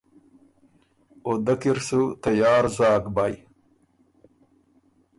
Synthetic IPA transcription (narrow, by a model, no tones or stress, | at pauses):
od̪ɐkiɾsut̪ajɑːɾzaːɡbaj